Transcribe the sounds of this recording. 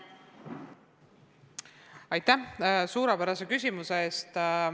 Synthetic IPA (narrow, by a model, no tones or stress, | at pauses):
ɑjt̪ːˑæhsuːɾepæɾɑse̞kysʲimuseeːst̪